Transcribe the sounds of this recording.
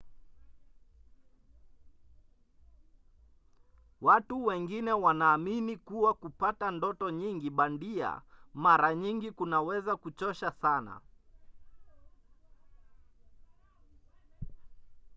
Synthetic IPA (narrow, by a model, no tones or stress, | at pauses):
watuwɛŋɡinɛwanaːminikuwakupatandɔtɔɲiŋɡiɓandia̰maɾaɲiŋɡikunawɛzakut͡ʃɔʃasana̰